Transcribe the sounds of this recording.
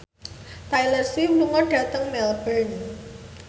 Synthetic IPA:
t̪ajlərsiwluŋɔɖ̥ä̤t̪əŋmɛlbən

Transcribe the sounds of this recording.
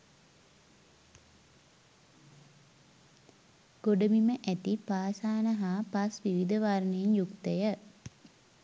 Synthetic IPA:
ɡ̥oɖəmiməʔæt̪ipaːsaːnəɦaːpasʋiʋid̪əʋaɾnejenjukt̪əjə

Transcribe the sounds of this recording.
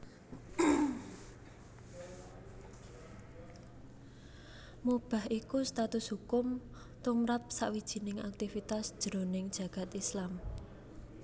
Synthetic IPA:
mub̥a̤hʔikust̪at̪ʊshukʊm | t̪umɾap̚saʔwid̥ʒ̥i̤nɪŋak̚t̪ifit̪asd̥ʒ̥əɾonɪŋd̥ʒ̥a̤ɡ̥a̤t̪islam

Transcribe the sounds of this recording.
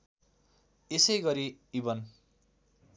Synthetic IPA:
esʌjɡʌɾiibʌn

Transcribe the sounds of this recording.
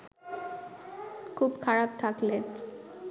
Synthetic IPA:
kʰubkʰaɾap̚t̪ʰakle

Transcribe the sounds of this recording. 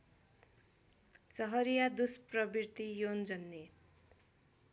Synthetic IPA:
sʌɦʌɾijad̪usprʌbirt̪ijond͡zʌnːe

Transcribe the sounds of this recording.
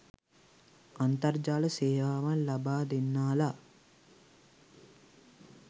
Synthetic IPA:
ɐnt̪ɐɾd͡ʒaːlɐseːʋaːʋɐlɐbaːd̪enːaːla

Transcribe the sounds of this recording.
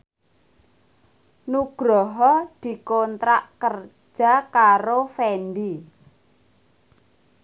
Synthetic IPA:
nuɡ̥ɾɔɦɔd̪̥i̤kont̪ɾaʔkər̥ | d͡ʒ̥a̤kaɾofɛnɖi

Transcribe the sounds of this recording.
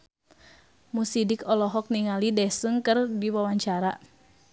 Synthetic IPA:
musidikɔlɔɦɔk̚niŋalidɛsɨŋkɨrdiwawaɲt͡ʃaɾa

